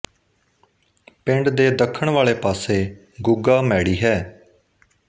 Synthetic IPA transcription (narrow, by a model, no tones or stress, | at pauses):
pɪ̃ɳɖd̪eːd̪əkʰːəɳʋaːleːpaːseː | ɡʊɡaːmɛːɽiːɦɛː